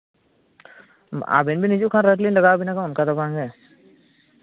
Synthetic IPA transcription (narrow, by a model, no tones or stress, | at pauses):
a̰binbʱinid͡ʒukʰãɾəʈlinlɐɡaːbʱinakãʊnkad̪ɐbãːŋɡe